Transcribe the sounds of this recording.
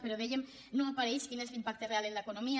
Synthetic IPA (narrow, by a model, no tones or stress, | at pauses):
peɾoðeʝem | nõapaɾejskine̞zlimpak̚t̪ereale̞nlaekono̞mia